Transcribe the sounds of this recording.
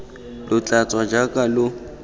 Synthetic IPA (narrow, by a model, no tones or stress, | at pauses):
lʊt͡ɬʼat͡sʼwad͡ʒakʼalʊ